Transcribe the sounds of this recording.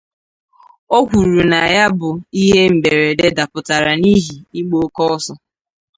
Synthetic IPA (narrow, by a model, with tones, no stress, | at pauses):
o˦kʷu˨ɾu˨na˨ja˦bʊ˨i˦ɦe˦m̩˨be˨ɾe˨de˦da˨pʊ˨ta˨ɾa˨ni˦ɦi˨i˦ɡ͡bo˦kɔ˦ɔ˦sɔ˦